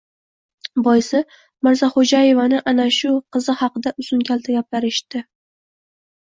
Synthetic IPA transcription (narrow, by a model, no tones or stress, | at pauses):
bɒjsɪ | mɪɾzaχod͡ʒaje̞vanɪʔanaʃʊqʰɨzɪhɑqɨd̪aʔʊzʊnɡʲalt̪ʰaɡʲap̚laɾɪʃt̪ɪ